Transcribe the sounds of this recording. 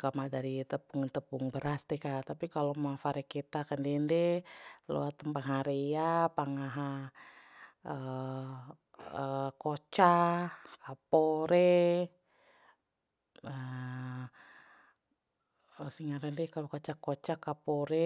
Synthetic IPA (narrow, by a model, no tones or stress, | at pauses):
kamadaɾit̪əpuŋt̪əpuŋbəɾast̪ɛkat̪apikalomafaɾɛkit̪akandɛndɛlo̰at̪əmpaŋɦaɾeapaŋaɦa | ə | əkot͡ʃakapoɾɛ | ə | əsiŋaɾandɛkakot͡ʃakot͡ʃakapoɾɛ